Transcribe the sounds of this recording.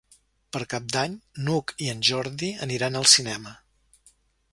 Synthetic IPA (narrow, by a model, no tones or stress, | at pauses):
pəɾkap̚d̪aɲnukiənʲʒɔɾðiəniɾanəlˠsinɛmə